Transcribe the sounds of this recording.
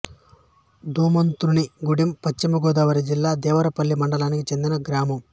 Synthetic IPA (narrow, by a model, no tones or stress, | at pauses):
d̪uːmɐnt̪uɾuniɡuɽimpɐt͡ʃt͡ʃːimɐɡɔːd̪aːʋɐɾid͡ʒilːaːd̪ɛːʋɐɾɐpɐlːimɐɳɖɐlaːnikit͡ʃe̞nd̪inɐɡɾaːmɐm